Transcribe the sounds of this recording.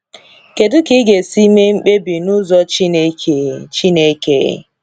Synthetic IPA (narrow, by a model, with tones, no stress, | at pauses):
ke˨dʊ˦ki˦ɡe˨si˦me˦ŋ͡m̩˦k͡pe˦bi˨nʊ˦zɔ˦t͡ʃi˦ne˦kʰe˨˦t͡ʃi˦ne˦kḛ˨˦ḛ˦